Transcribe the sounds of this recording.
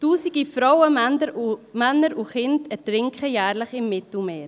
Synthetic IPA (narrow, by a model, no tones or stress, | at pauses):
tuːsiɡifɾɔwəmɛnəɾmɛnːəɾʔuχɪntɛɾtɾɪŋkχəjæːɾləχɪmːɪt̪l̩meːɾ